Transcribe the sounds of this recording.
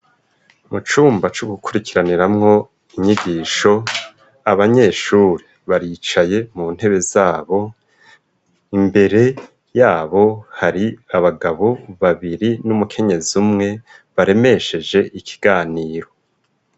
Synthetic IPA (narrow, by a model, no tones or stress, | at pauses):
mut͡ʃuːmbat͡ʃuɡukuɾikiɾaniɾamŋo̞ | iɲiɡiːʃo̞ | aβaɲe̞ːʃuːɾi | βaɾit͡ʃaje̞mun̥he̞βe̞zaːβo̞ | imbe̞ɾe̞ | jaːβo̞haɾiaβaɡaβo̞βaβiɾinumukʰe̞ɲe̞ziumŋe̞ | βaɾe̞me̞ʃe̞d͡ʒe̞ʔikʰi̥ɡ̥aːniːɾo̞